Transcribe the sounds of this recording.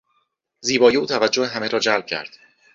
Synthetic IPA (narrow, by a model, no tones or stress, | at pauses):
ziːbɒːjeuːt̪ʰævæd͡ʒːoheɦæme̞ɾɒːd͡ʒælb̥̚cʰæ̰ɾd̪̥